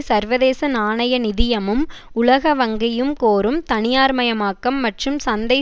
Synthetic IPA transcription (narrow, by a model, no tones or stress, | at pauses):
sɐɾʋɐðeːsɐnaːɳɐjɐnɪðɪjɐmɯm | ʊlɐɣɐʋɐŋɡɪjɯmkoːɾɯmt̪ɐnɪjaːɾmɐjɐmaːkːɐmːɐʈrɯmsɐnd̪ɐɪ